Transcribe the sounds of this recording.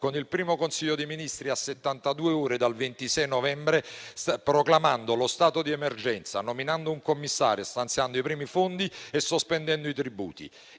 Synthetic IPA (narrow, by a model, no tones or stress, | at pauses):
konilpɾiːmokonsiʎːod̪eminist̪ɾiasːet̪ːant̪ad̪uːeuːɾed̪alvent̪isɛjnɔvɛmbɾespɾoklamand̪olost̪aːt̪od̪iɛmerd͡ʒɛnt̪sanominand̪ouŋkomːisːa̰ːɾjost̪ant̪sjand̪oipɾiːmifond̪iesːospɛnd̪ɛnd̪oit̪ɾibṵːt̪ḭ